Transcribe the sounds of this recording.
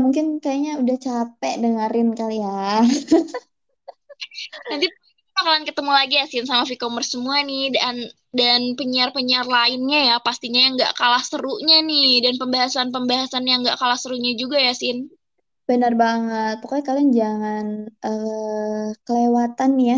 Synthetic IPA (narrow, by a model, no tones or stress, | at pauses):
muŋkɪnkajaɲaudaht͡ʃapɛʔdəŋəɾɪnkalia | ant̪i | pakalankət̪əmulaɡijasɪnsamafikomərsəmuanɪdan | danpəɲiarpəɲiarlaɪnɲajapast̪iɲajaŋɡa̰ʔkalahsəɾuʔɲanɪhdanpəmbaɦasanpəmbaɦasanjaŋɡaʔkalahsəɾuʔɲad͡ʒuɡajasɪn | b̥ənarbaŋət̪̚pokakaliaŋd͡ʒaŋanə | kəlewat̪anːja